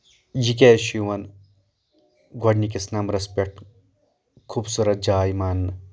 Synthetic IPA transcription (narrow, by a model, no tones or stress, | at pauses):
jik̬eːʃiʋɐn | ɡʱɐɖnikisnɐmɾɐspʲekʈ | kʰuːbsuɾɐt̪̚d͡ʒaːjmɐnː